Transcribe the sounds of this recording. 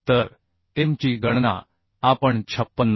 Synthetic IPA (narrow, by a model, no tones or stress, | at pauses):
t̪əɾ | t̪emt͡ɕiɡəɳna̰ | apəɳt͡ɕʰəpːənː